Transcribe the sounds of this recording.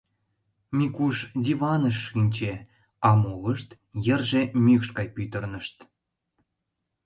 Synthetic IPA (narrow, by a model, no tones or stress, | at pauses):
mʲikuʃd̪ʲivɑnəʃːinʲt͡ɕe | ɑmoɣəʃt̪ | jə̆rʒemʲykʃkɑjpyt̪ə̆rnəʃt̪